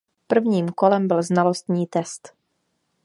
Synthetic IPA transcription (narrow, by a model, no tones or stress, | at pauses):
pr̩vɲiːmkolɛmbɪlznalost̪ɲiːt̪ɛst̪